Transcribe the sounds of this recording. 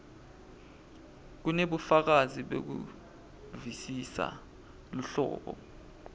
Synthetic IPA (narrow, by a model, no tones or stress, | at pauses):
k̬uneɓufak̬aziɓḛk̬ṵ | visisa̰ | luɬɔ̰ːɓɔ̰